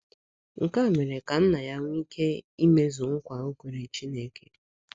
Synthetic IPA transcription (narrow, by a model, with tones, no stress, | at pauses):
ŋ̩˨ka˦˨me˨ɾe˨ka˨n̩˦na˨ja˦ŋʷ˦i˦ke˦i˦me˦zu˨ŋ̩˦kʷa˨o˦kʷe˨ɾe˨t͡ʃi˦ne˨ke˨